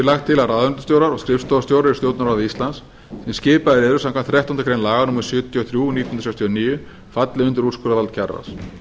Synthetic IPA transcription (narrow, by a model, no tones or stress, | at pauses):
ɪɾlaxt̪ʰːɪlaraðʏnt̪ʏst̪jowɾaɾɔɣskɾɪfst̪ɔvst̪jowɾɪɾɪst̪jowt̪naɾaðist̪lans | sɛmscɪːpaðɪɾeːðɾʏsamkʰamt̪θɾɛht̪ɔnt̪kʰɾejnlaːɣanuːmɪɾ̥sʏːt̪jɔθɾjunit̪jnnɾ̥sɛkst̪ʰjɔniːjʏ | fat̪lɪʏnt̪ʏɾu̥skʏɾaðalt̪̚cʰɛrːa̰s